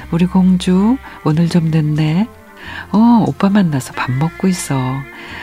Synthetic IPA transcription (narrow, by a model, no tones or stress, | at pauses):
uɾiɡoŋd͡ʑuonɯɭt͡ɕomnɯnːe̞ | ʌop͈amanːasʰʌpamːʌk̚k͈ois͈ʌ